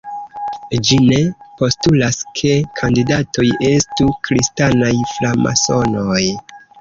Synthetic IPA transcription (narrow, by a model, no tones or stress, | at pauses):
d͡ʒine̞po̞stulaskʰe̞kʰandidato̞je̞stukɾistanajflama̰so̞no̞j